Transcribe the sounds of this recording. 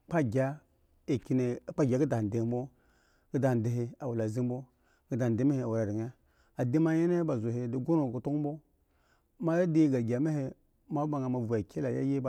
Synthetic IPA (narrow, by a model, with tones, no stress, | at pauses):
k͡pa˦ɡʲa˦ | e˨ki˦ne˨˦k͡pa˦ɡʲa˨˦ɡi˦da˨n˨de˨˦m˦bo˦ | ɡə˦da˨di˨ɦe˦a˨wu˨la˨zi˦m˦bo˦ | ɡə˦da˨de˨˦ma˦he˨˦a˨wu˨ɾa˨ɾi˨ŋ˦a˦ | a˨di˦ma˦je˦ne˦ba˨zo˨ɦe˨di˨ɡo˦no˨ɡu˨to˦kbo˦ | ma˦ja˦de˦ɡa˨ɡʲa˨ma˦he˦ | ma˦a˨ŋa˨ma˨vu˨a˨kʰe˦la˨ja̰˦je˦ba˨